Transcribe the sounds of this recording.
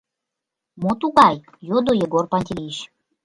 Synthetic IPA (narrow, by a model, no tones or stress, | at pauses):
mot̪uɣɑj | jod̪ojeɡorpɑt̪ʲiiiɕ